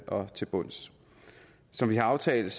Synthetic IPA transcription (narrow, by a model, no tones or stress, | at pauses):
ɒ̽t͡sʰe̝b̥ɔn̰s | sɒ̽mʋiɦɑ̈ɑ̈ʊt͡sʰɛ̰ːl̩ˠs